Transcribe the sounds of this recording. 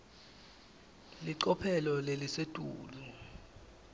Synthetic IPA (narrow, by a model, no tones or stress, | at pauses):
liǀɔpʰɛlɔlelisetʼuːli